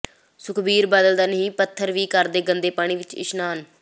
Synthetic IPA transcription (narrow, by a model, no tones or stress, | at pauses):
sʊkʰbiːɾbəd̪əld̪aːnəɦĩːpət̪ʰːəɾʋiːkəɾd̪eːɡənd̪eːpaːɽ̃iːʋɪt͡ʃɪ̰ʃnaːn